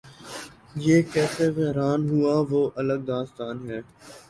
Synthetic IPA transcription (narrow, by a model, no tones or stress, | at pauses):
jeːkɛːseʋɛɦɾaːnɦʊaʋoːʔɐləɡ̚d̪ãːst̪aːnɦɛː